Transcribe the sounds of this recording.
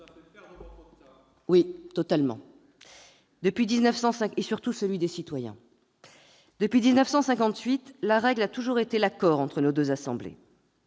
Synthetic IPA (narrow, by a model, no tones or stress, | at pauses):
wit̪ɔt̪almɑ̰̃ | d̪əpɥid̪iznəfsɑ̃sɛ̃esyʁt̪usəlɥid̪esit̪wajɛ̰̃ | d̪̥əpɥid̪iznəfsɑ̃sɛ̃kɑ̃t̪ɥit̪laʁɛɡlat̪uʒuʁet̪elakɔʁɑ̃t̪χənod̪øzasɑ̃blḛ